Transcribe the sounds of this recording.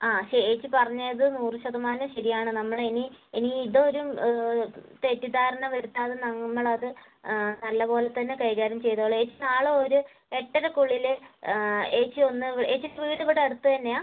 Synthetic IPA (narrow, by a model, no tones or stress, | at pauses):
aːɐɕeeːt͡ɕːɨpɐrɐɲːɐɐðɨnuːrɨɕɐðɐmaːnɐmɕɐɾijaːɳɨnɐmːɐɭinieniːðoːɾum | t̪e̞tːid̪aːɾɐnɐʋɐɾut̪ːaːðɨnɐŋːɐɭɐðɨ | nɐlːɐpo̞ːlet̪ːɐnːekɐjɣaːɾjɐmt͡ɕe̞jt̪ɐɭːe̞ːt͡ɕːɨnaːɭɨoɾu | e̞ʈːɐɾɐkuɭːil | eːt͡ɕːɨo̞nːɨeːt͡ɕːineʋiʋid̪ʱɐpːɐɽɐɽut̪ːut̪ɐnːe̞aː